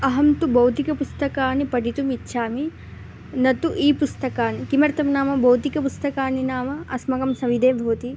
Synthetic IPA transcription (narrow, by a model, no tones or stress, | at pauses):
ɐɦɐmt̪ubɐwt̪ikɐpust̪ɐkaːnipɐɖit̪umitːʃʰaːmi | nɐt̪uʔiːpust̪ɐkaːnikimɐɾt̪ɐmnaːmɐbɐwt̪ikɐpust̪ɐkaːninaːmɐɐsmɐkɐmsɐʋid̪eːbʱɐʋt̪i